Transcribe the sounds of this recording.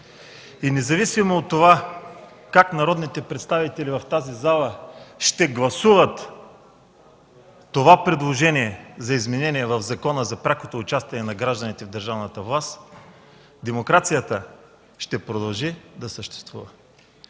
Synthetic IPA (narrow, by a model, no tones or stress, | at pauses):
inɛzɐvisimoːt̪ːova | kaknɐɾɔd̪nit̪ɛpɾɛt̪st̪avit̪ɛlivɐft̪azizalˠəʃt̪ɛɡlˠɐsuvət̪ | ovapɾid̪lˠoʒɛniɛzɐizmɛnɛniɛvɐvzɐkɔnəzɐpɾʲakot̪oːt͡ʃast̪inɛnɐɡɾaʒd̪ənit̪ɛvd̪əɾʒavnət̪əvlˠast̪ | d̪ɛmokɾat̪sijət̪ə | ʃt̪ɛpɾod̪ɐlˠʒid̪ɐsəʃt̪ɛ̥st̪vṵvɐ